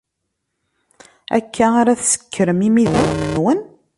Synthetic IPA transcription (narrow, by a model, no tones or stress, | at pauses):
æ̰kʰːæaɾæθsə̥kːəɾəmimiðənənwən